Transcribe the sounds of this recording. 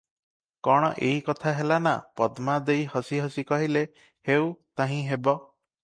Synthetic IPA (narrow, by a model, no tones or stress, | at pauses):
kɔɽ̃ɔʔeɦikɔt̪ʰaɦelana̰pɔd̪mad̪ejhɔsiɦɔsikɔɦile | hewt̪aɦĩɦebɔ